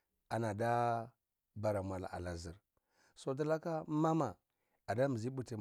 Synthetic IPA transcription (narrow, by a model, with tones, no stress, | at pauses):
a˨na˨da˦ | ba˨ɾa˨mʷ˨a˨la̰˨a̰˨la˨zi˨ɾ | so˦d̬a˦la˦ka˦ma˦ma˨ | a˨da˦mi˨zi˦bu˦˨ti˨